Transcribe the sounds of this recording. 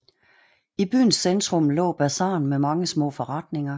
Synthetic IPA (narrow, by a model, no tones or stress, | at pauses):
ib̥y̰ːn̩sːend̥ʁɔ̽mlɔ̰̽ːb̥æsɑ̰̈ːnmemɑ̈ŋəsmɔ̰ːfɒ̽ʁɑ̈d̥ne̝ŋɐ